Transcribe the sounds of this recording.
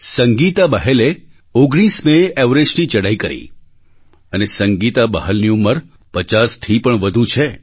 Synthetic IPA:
səŋɡit̪abaɦele | oɡɽ̃ismeeʋɾed͡ʒnit͡ʃəɽaikəɾḭ | ənesəŋɡit̪abəɦəlniumːəɾ | pət͡ʃast̪ʰipəɳʋəd̪ʱut͡ʃʰe

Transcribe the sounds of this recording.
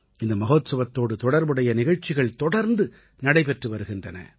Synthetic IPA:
ɪnd̪ɐmɐɣoːt̪sɐʋɐt̪ːoːɽɯt̪ɔɽɐɾbɯɽɐjɐnɪɣɐɻt͡ʃːɪɣɐɭt̪ɔɽɐɾnd̪ɯ | nɐɽɐɪpɛʈrɯʋɐɾɯɣɪndrɐnɐ̰

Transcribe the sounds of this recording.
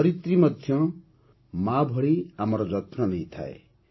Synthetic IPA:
ʌɾit̪rimʌd̪ʱjʌ | mabʱʌɽiamʌɾɔd͡zʌt̪ʰnʌnʌj̃t̪ʰa̰ḛ

